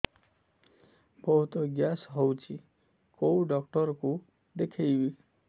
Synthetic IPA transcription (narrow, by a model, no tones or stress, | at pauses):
bʌɦut̪oɡjasɦʌwt͡sʰi | kowɖʌkʈʌɾko | d̪ekʰejbi